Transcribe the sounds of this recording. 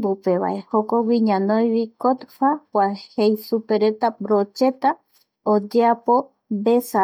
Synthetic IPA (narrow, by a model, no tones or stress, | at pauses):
bupe̞βa̰ʔehokowiɲãnõj̃βikot̪fakwʷahejsupe̞ɾe̞t̪abɾot͡ʃe̞t̪a | od͡ʒeapo | besa